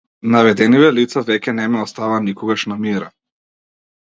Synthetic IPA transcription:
navɛd̪ɛnivɛlit̪savɛcɛnɛmɛɔst̪avanikɔɡaʃnamiɾa

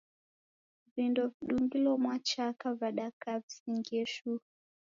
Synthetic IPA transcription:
vindɔviɗuŋɡilɔmwat͡ʃakavaɗakavisiŋɡɛʃu

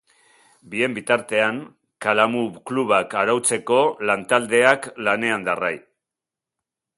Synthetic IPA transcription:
bie̞mbit̪aɾt̪e̞aŋ | kalamuβkluβakaɾawt͡se̞ko̞lant̪ald̪e̞aklane̞and̪araj

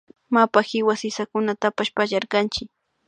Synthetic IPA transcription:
mapaxɪwasɪsakʊnat̪apaʃpaʎɑɾkɑnt͡ʃɪk̚

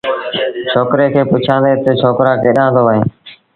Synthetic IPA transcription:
t͡ʃʰoːkɾeːkʰeːpʊt͡ʃʰãːnd̪eːt̪ət͡ʃʰoːkɾãːkeːɗãːnd̪oːʋəɦẽː

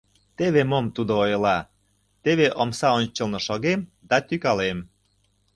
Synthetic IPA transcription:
t̪eβemomt̪ud̪oojəlɑ | t̪eβeʔomsɑonʲt͡ɕə̆lnɤ̆ʃoɣemd̪ɑt̪ykɑlem

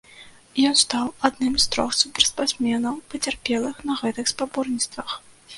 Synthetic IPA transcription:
jɔnst̪awad̪nɨmst̪ɾɔxsupʲɛrspasʲmʲɛnɐwpɐt͡sʲarpʲɛlˠɨxnɐɣɛt̪ɨxspabɔrnʲitst̪vɐx

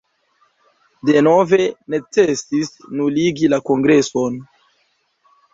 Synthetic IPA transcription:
de̞no̞ve̞ne̞t͡sesisnuliɡilako̞ŋɡɾe̞so̞n

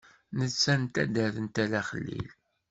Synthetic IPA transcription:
nət͡sːænt̪æ̰d̪æθənt̪ælæχəlːḭl

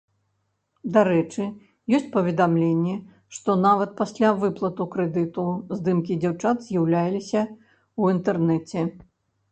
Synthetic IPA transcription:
d̪aɾɛt͡ʂɨ | jɔsʲt͡sʲpɐvʲɛd̪amlʲenʲːɛ | ʂt̪ɔnavɐt̪̚pasʲlʲavɨplˠɐt̪ukɾɛd̪ɨt̪uzd̪ɨmkʲid͡zʲawt͡ʂat̪zʲjawlʲajlʲisʲɐ | uint̪ɛrnɛt͡sʲɛ

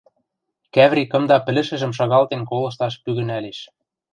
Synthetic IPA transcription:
kæβɾʲikɤ̆md̪ɑpɘ̆lɘ̆ʃɘ̆ʒɘ̆mʃ̬ɑɣɑlt̪enkolɤ̆ʃ̬t̪ɑʃpyɣɘ̆næleʃ

